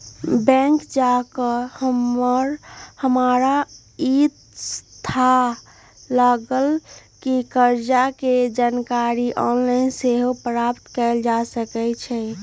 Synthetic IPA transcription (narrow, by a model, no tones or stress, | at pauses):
bɛ̃ŋkd͡ʒakəhəməɾhəmaɾa | it̪ | st̪ʰa | laɡəlkikəɾd͡ʒaked͡ʒankaɾiʔɔnlainseɦopɾapt̪kɛɪld͡ʒasəkɛt͡ʃʰɛ